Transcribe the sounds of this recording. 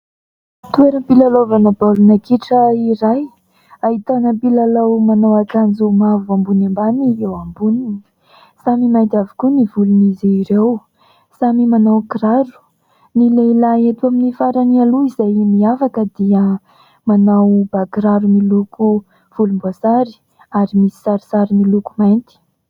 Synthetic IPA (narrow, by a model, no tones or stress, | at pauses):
t̪ueɾəmpilalovanəbalunakiʈ͡ʂəiɾaj | aɦit̪anəpilalawmanawaʈ͡ʂand͡zumavuambunambaniewambuni | samimajt̪avi̥kunivuluniziiɾew | samimanawkiɾaɾu̥ | nileilaet̪uaminifaɾanialuizajmiafakəd̪iə | manawb̥akiɾaɾumiluku | v̥ulumbosaɾi̥ | aɾimisi̥saɾisaɾimilukumajnt̪i̥